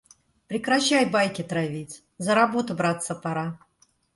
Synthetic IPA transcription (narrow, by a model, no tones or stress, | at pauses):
pɾʲɪkɾɐɕːajbajkʲɪt̪ɾavʲitʲ | zəɾabot̪ʊbɾat̪səpaɾa